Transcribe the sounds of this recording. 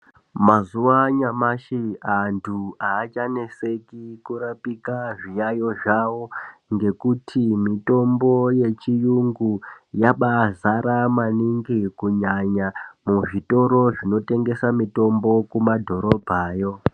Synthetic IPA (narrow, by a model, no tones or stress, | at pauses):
mazuʋaɲamaʃiantʰuaːt͡ʃane̞se̞kikuɾapikaʐijajo̞ʐawoŋɡe̞kutʰimito̞mbo̞je̞t͡ʃijuŋɡujaɓazaɾamaniŋɡikuɲaɲamuʐito̞ɾo̞ʐino̞te̞ŋɡe̞samito̞mbo̞kumadʱo̞ɾo̞bʱaːjo̞